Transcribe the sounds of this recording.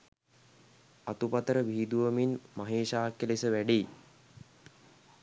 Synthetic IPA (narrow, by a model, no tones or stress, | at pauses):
at̪upat̪əɾəʋiɦːd̪uʋəminmaɦeːʃaːkːelesəʋæɖiː